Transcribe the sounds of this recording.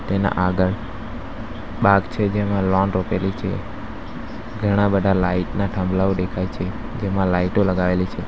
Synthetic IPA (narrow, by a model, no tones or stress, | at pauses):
t̪ena̰ʔaɡəɭ | baɡt͡ʃʰed͡ʒemãlɔnɾopelit͡ʃʰḛ | ɡʱəɽ̃ãbəd̪ʱalaiʈnaʈʰəmblaod̪ekʰajt͡ʃʰe | d͡ʒemãlaiʈoləɡaʋelit͡ʃʰe